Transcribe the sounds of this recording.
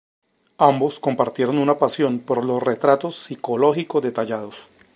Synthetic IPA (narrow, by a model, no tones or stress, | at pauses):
ambo̞sko̞mpaɾt̪je̞ɾo̞nunapasjo̞npo̞ɾlo̞sre̞t̪ɾat̪o̞sːiko̞lo̞xikozd̪e̞t̪aʝað̞o̞s